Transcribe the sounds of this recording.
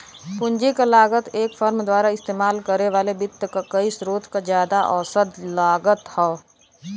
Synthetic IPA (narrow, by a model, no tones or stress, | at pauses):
pʊ̃nd͡ʒikalaːɡət̪eːkfəɾmd̪waːɾaɪst̪eːmaːlkəɾeʋaːlebɪt̪ːəkakɐisɾoːt̪kazjaːd̪aʔɔ̰ːsəd̪laːɡət̪hɛː